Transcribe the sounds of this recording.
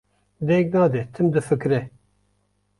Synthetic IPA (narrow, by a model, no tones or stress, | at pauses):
d̪ɛk̚nɑːd̪ɛt̪ʰɨmd̪ɨfɨkɾɛ